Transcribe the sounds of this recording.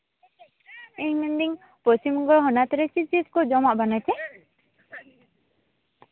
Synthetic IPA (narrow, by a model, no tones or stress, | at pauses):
ɛɲmɛnd̪iŋ | pɔst͡ʃimɡɔɦɔnat̪ɾɛt͡ʃit͡ʃiskɔd͡ʒɔmaʔbanat͡ʃʰɛ